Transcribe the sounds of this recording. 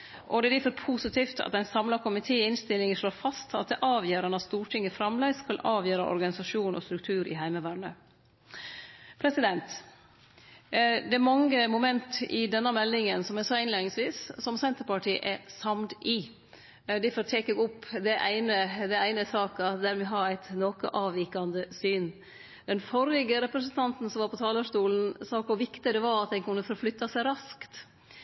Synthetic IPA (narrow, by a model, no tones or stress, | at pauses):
ʔɔd̪ɛd̪ɪfɔɾpʰuːsɪt̪ʰiːft̪ʰɑ̰t̪æɪnsɑmlɑkʰʊmɪt̪ʰeːɪnst̪ɪlːɪŋəʂɭoːɾfɑst̪ʰɑt̪̚d̪ɛʔɑːʋjøːɾɑnɑtst̪uːʈʰɪŋːəfɾɑmlæɪskɑlɑːʋjøːɾɑ̰ʔɔ̰ɾɡɑnɪsɑʂuːnʔɔ̰st̪ɾʉk̚t̪ʰʉːɾɪ̰ɦæɪməʋæːɳə | pʰɾɛsɪd̪ɛnt̪ | d̪ɛæɾmɑŋːəmʊmɛnt̪ɪ̰d̪ɛnːɑmɛlːɪŋənsɔmɛsɑːɪnleːnɪŋsʋiːssɔmsɛnt̪əɾpɑʈiːʔɛɾsɑmt̪ɪ | d̪ɪfɔɾt̪ʰeːkɛɡɔpːd̪ɛʔæɪnəd̪ɛæɪnəsɑːkɑd̪æɾmɛɦɑɾæɪt̪noːkə̰ʔɑːʋʋiːkɑnd̪əsyːn | d̪̥ɛnfɔɾɪɡəɾɛpɾɛsənt̪ʰɑnt̪n̩sɔmʋɑːɾpʰɔt̪ʰɑːləʂt̪uːln̩sɑːkʊʋɪkt̪ɪd̪ɛʋɑɾɑt̪̚d̪ɛnkʉnːəfɔɾflʏt̪ːɑsæɪɾɑskt̪